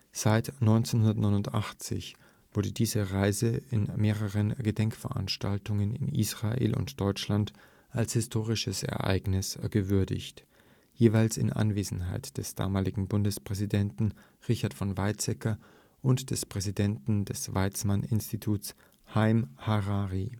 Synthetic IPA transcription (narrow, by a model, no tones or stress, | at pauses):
z̥aɪtnɔʏnt͡senhɦʊndɐtnɔʏnʊntʔaχt͡sɪ̰ç | v̥ʊɐdədiːzəʁaɪzəɪnmeːʁəʁənɡ̥ədɛŋkfɛɐʔa̰nʃtaltʊŋənɪ̰nḭːsʁ̥aʔḛːlʔʊ̰ntd̥ɔʏt͡ʃlant | ʔalshɪstʰoːʁ̞ɪʃəsɛ̰ɐʔa̰ɪɡnɪsɡ̥əvʏɐdɪ̰çt | jeːvaɪlsɪ̰nʔa̰nveːzn̩ɦaɪtd̥ɛsd̥a̰ːmaːlɪɡŋ̩bʊndəspʁ̥ɛzidɛntn̩ | ʁɪçɐtfɔnvaɪt͡sɛkɐ | ʔʊntd̥ɛspʁ̥ɛzidɛntn̩dɛsv̥aɪt͡smanʔɪnstitʰuːs | haɪmhaʁaːʁi